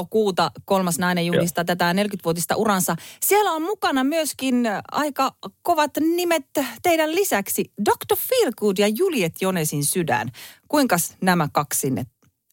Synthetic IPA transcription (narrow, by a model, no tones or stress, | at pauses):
kuːt̪ɑkolmɑsnɑinejulist̪ɑt̪æt̪æne̞lkyt̪ʋuot̪ist̪ɑ̰ʔuɾɑnsɑsielæommukɑnɑmyøskinɑ̰ikɑkoʋɑt̪nimet̪t̪eidællisæksidokt̪ofilkuːdjɑjuljet̪jonesinsydæ̰nkuiŋkɑsnæmækɑkssinːḛt̪